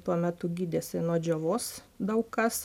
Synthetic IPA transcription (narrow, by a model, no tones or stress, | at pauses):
t̪uɔmʲæt̪ʊɡʲiːd̪ʲesʲɪnuɔd͡ʒʲoʋoːs | d̪ɐʊkkɐs